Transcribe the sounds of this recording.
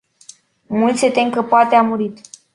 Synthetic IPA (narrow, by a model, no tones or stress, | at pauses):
mult̪sʲet̪eŋkəpoat̪eamuɾit̪